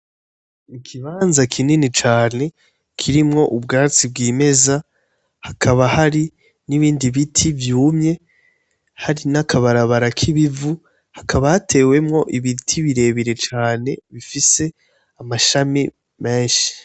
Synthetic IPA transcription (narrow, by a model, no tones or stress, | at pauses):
ikʰiβaːnzakʰininit͡ʃaːne̞ | kʰiɾimŋo̞ʔub̚ɡaːt͡sib̚ɡiːme̞za | hakʰaβahaɾi | niβiːndiβitʰivjuːmɲe̞ | haɾinakʰaβaɾaβaɾakʰiβivu | hakʰaβahatʰe̞ːwe̞mŋo̞ʔiβitʰiβiɾe̞βiɾe̞t͡ʃaːne̞βifise̞ | amaʃami | me̞ːnʃi̥